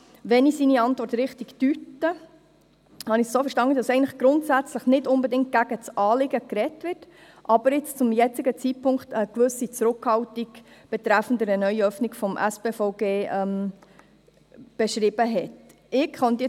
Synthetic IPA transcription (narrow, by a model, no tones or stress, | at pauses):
ʋɛnisiniɑntʋɔɾtɾɪχtiktytːə | hɑnɪxssoːfəɾʃtɑnːədɑsɛɪənləχɡ̥ɾʊntsæt͡sləχnɪtʊnbɛdɪŋt̚ɡ̥æɡ̥ət͡sʔɑːlɪɡəkɾɛtʋɪrt | ʔɑb̥əɾɪt͡st͡sʊmjɛt͡sɪɡət͡sit̚pʰʊŋkχtəkʋɵsit͡sɾʊkhɑwtiɡb̥ɛt̪ɾæfn̩dəɾənœʏiœfnikfɔmʔæ̰speːfɔʊɡeːʔɛm | b̥ɛʃɾɪb̥əɦɛt | ɪkχœnt̪ə